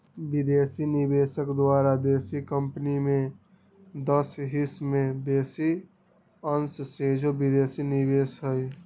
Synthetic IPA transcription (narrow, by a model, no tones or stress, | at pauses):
bɪd̪esinibeːsəkd̪waːɾad̪eːsikəmpnimẽ | d̪əsɦismẽbeːsi | ənssed͡ʒobid̪eːsinibeːsɦəj